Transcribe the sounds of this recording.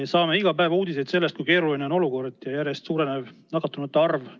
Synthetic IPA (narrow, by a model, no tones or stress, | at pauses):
esɑːme̞iɡɑpæevɑuːd̪̥ise̞jd̪se̞lːest̪̚kujke̞ːɾulineo̞no̞luko̞rd̪̥jɑjæɾjest̪suːɾenevnɑkːˑɑt̪ːˑunut̪ːeɑrv